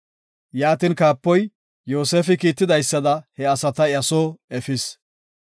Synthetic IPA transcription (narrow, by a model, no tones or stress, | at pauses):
jaːt̪ɪnkaːpːɔj | jo̞ːseːfɪkiːt̪ːɪd̪ɐjsːɐd̪ɐhɛɐsɐt̪ɐɐsoːɛfɪs